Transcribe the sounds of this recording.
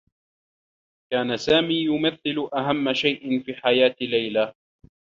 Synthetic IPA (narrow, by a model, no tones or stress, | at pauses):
kaːnasaːmiːjʊmaθːɪlʊʔaɦamːaʃajʔɪnfiːħajaːt̪lːajla